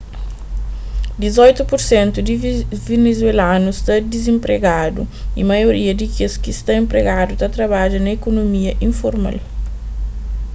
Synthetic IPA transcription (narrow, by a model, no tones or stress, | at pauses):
d̪izɔjt̪upoɾsẽnt̪ud̪ivenezwelanust̪ɐd̪izẽmpɾeɡad̪uḭmɐjoɾiɐd̪ikeskist̪ɐẽmpɾeɡad̪ut̪ɐt̪ɾɐβad͡ʒɐnɐekonomiɐʔĩfoɾma̰l